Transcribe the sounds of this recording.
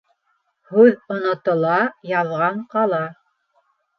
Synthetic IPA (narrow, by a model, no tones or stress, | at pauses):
hʉðŏnŏt̪ŏlˠɑjɑðʁɑɴqɑlˠɑ